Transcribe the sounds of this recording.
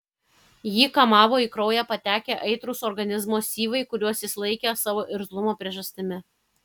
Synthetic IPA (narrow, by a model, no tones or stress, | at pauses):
jiːkɐmɑːʋoːiːkɾɔʊjæːpɐt̪ʲæːkʲeʔɐɪt̪ɾʊsɔɾɡɐnʲɪzmoːsʲiːʋɐɪkʊɾʲuɔsjɪslˠɐɪkʲesɑːʋoːʔɪɾzlˠʊmoːpʲɾʲiɛʒɐsʲt̪ʲɪmʲɪ